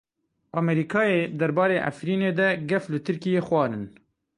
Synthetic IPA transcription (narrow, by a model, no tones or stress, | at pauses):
ʔɑːmɛɾiːkʰɑːjed̪ɛɾbɑːɾeːʔa̰fɾiːneːd̪ɛɡɛflɨt̪ʰɨɾkijeːxwʷɑːɾɨn